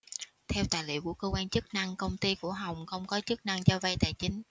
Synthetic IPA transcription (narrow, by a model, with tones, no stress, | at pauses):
t̪ʰɛ˧wt̪a̰ː˧˨jlḭ˧˨əwku˧˩əkəː˧kwaː˧nt͡ɕɨ˦˥k̚na˧ŋkə˧wŋ͡mt̪i˧ku˧˩əɦa˨˩wŋ͡mxə˧˩wŋ͡mkɔ˨˦t͡ɕɨ˦˥k̚na˧ŋt͡ɕɔ˧və˧jt̪a̰ː˧˨˩jt͡ɕï˨˦ŋ̟